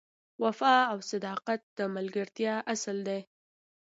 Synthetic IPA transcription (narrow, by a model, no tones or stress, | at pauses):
wafɑawsad̪ɑqat̪̚d̪̥əmalɡəɾt̪jɑʔasld̪aj